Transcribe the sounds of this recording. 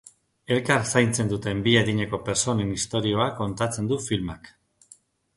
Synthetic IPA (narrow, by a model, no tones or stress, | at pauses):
e̞lkaɾsajnt͡se̞nd̪ut̪e̞mbieðiɲeko̞pe̞ɾso̞ne̞nist̪o̞ɾio̞akːo̞nt̪at͡se̞nd̪ufilmak